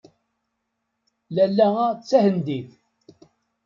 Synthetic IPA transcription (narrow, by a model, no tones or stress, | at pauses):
lælːæt͡sːæhənd̪iθ